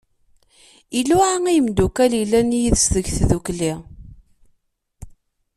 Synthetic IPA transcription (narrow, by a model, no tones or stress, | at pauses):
iluʕaŋijəmd̪ukælilːænjiðsðəʝθðukli